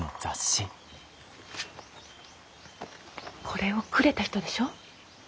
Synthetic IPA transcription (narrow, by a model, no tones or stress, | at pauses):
nozaɕːi | kʰo̞ɾeo̞kɯ̟ɾe̞t̪açi̥t̪o̞d̪e̞ɕo̞ː